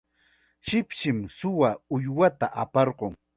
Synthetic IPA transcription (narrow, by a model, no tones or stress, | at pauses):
ʃɪpʃɪmsʊwaʊjwat̪aʔapɑɾɢoŋ